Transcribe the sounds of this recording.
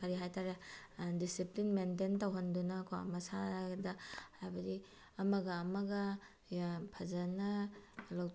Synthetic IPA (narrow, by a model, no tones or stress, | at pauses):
kɐɾiɦajtaɾedisiplinmententɐwɦɐndunɐkʰoa̰mɐsaɾɡdɐhabɐdi | ɐmɐɡɐːmɐɡɐ | jpʰɐzɐnɐlaw